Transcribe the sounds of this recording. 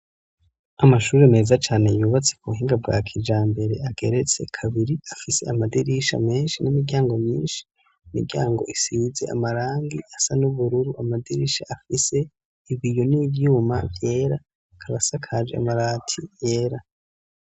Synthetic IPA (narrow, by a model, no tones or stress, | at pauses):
amaʃuːɾeme̞ːzat͡ʃaːne̞juːβat͡sekuβuɦiːŋɡab̚ɡwa̰kʰid͡ʒaːmbe̞ɾe̞ʔaɡ̥e̞ɾe̞t͡se̞kʰaβiɾiafise̞̰amadiɾiʃa̰me̞ːnʃinimiɡɟjaːŋɡo̞mɲḭːnʃi̥ | imḭɾɡɟja̰ːŋɡo̞ʔisize̞̰ʔa̰maɾaːŋɡiʔasanuβuɾuɾuamadiɾḭʃaːfise̞ | iβijo̞nivjuːma̰vje̞ːɾa | kʰaβasakʰad͡ʒḛa̰maɾaːtʰije̞ːɾa